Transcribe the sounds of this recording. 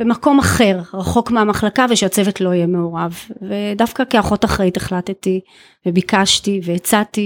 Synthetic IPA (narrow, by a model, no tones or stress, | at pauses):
b̥emako̞maχe̞ʁʁaχo̞kmeamaχlakaveʃeat͡sevetlo̞ijeme̞o̞ʁavːedafkakeaχo̞taχʁajiteχlatti | vebikaʃtiveet͡sati